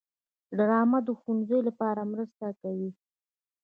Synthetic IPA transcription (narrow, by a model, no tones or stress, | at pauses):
ɖɾɑmad̪əxunzəjlapɑɾamɾəst̪akawi